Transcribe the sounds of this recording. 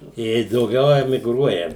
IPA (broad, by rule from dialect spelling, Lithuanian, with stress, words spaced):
ˈjiɛj dɐʊˈɡʲɛʊ ɛmʲɪɡˈruɔjɛ